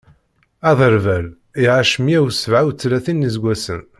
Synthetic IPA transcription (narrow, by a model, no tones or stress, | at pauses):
ɑðˤəɾvæl | iʁaʃmiæwsəvʕawt͡sːlæθinːizɡʷæsən